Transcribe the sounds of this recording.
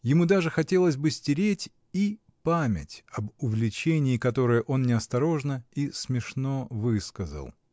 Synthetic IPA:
jɪmud̪aʐɨxɐtʲe̞lˠəsʲbɨsʲtʲɪɾʲetʲ | i | pamʲɪ̰tʲɐbʊvʲlʲɪt͡ɕenʲɪːkɐt̪o̞ɾɨjəʔo̞nnʲɪɐst̪ɐɾo̞ʐnəismʲɪʂno̞vɨskəzə̰lˠ

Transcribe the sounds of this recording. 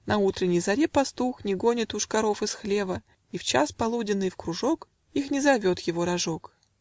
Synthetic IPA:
nɐut̪ɾʲɪnʲːɪjzɐɾʲepɐst̪uxnʲɪɡo̞nʲɪt̪ʊʂkɐɾo̞fɨsxlʲe̞və | ift͡ɕa̰spɐlˠudʲɪnːɨjfkɾʊʐo̞k | ixnʲɪzɐvʲot̪jɪvo̞ɾɐʐo̞k

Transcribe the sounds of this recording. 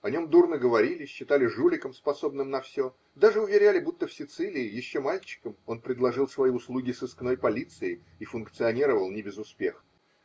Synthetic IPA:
ɐnʲo̞md̪urnɨɡəvɐɾʲilʲɪɕːɪt̪alʲɪʐulʲɪkəmspɐso̞bnɨmnɐfsʲo̞ | d̪aʐɨʊvʲɪɾʲalʲɪbut̪ːəfsʲɪt̪sɨlʲɪːjɪɕːomalʲt͡ɕɪ̥kəmo̞npɾʲɪd̪lˠɐʐɨlˠsvɐjiʊslˠuɡʲɪsɨskno̞jpɐlʲit̪sɨɪ | ifʊnkt̪sɨɐnʲiɾəvəlˠnʲɪbʲɪzʊspʲe̞̰xə

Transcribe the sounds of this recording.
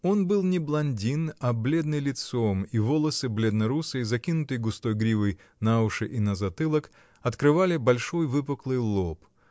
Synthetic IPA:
o̞nbɨlˠnʲɪblˠɐnʲdʲinɐblʲe̞d̪nɨjlʲɪt̪somivo̞lˠəsɨblʲed̪nəɾusəjzɐkʲinʊt̪ɨjɡʊst̪o̞jɡɾʲivəj | naʊʂɨʔinəzɐt̪ɨlˠək | ɐt̪kɾɨvalʲɪbɐlʲʂo̞jvɨp̬ɨklˠɨjlˠo̞p

